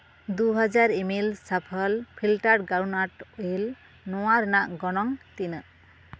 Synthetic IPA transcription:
d̪uɦad͡ʒaɾemilsapʰəlpʰilʈaɽɡawnaʈojl | nɔwaɾnaʔɡɔnɔŋt̪in

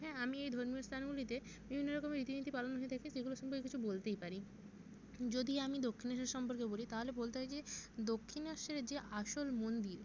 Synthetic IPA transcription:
ɦɛ̃amiejd̪ʱoɾmioɾst̪ʰanɡulit̪ebibʱinːoɾɔkomeɾit̪init̪ʰipalonɦoet̪ʰɛkeʃeɡuloʃɔmpoɾkekit͡ɕʰubolt̪ejpaɾi | d͡ʑod̪iamid̪okʰːinaʃeɾʃɔmpoɾkebolit̪aɦolebolt̪eɦajd͡ʑed̪okʰːinaʃeɾd͡ʑeʔaʃolmond̪iɾ

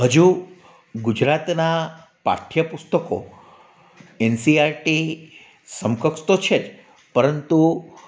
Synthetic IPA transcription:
ɦəd͡ʒu | ɡud͡ʒɾat̪na | pa̰t̪ʰjəpust̪əko̰ | ensiaɾʈi | səmkəkʂt̪ot͡ʃʰed͡ʒ | pəɾənt̪u

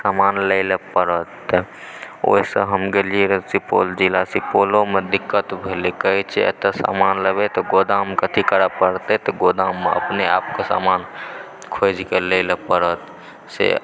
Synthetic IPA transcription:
samanləɪləpəɾət̪ | o̰sə̰ɦəmɡeliɾəsipo̰ld͡ʒilasipolõmed̪ikːət̪bʱelekəit͡ʃʰɛḛt̪əsa̰manləbet̪ɔɡod̪amkət̪ʰikəɾəbkəɾt̪et̪ɔɡod̪amːeə̰pneaːpkesa̰man | kʰod͡ʒʱikeləɪləpəɾət̪ | sḛ

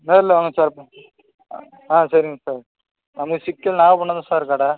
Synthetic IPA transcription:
nɐɾɪlːeʋaŋɡɐsaːɾp | ãːsɐɾɪŋɡɐsaːɾ | nɐmɐkɐsɪkːɐlnaːʋɐpɐɳːɐðãːsaːɾɾkaːɽaː

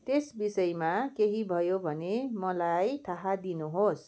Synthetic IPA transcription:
t̪esbisʌjmakeɦibʱʌjobʱʌnemʌlajt̪ʰaɦad̪inuɦos

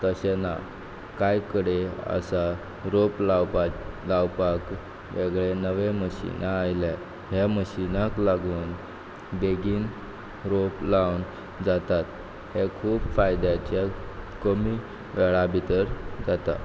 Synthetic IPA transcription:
t̪əɕena | kajkəɽeə̰sa | ɾopl | lawpak | ʋeɡɭenəʋẽməɕḭnaːjla | ɦeməɕinaklaɡuːn | beɡiːn | ɾoplawn | d͡zat̪at̪ | hekʰuːbfajd̪at͡ɕakəmi | ʋɛɭabʱit̪əɾd͡zat̪a̰

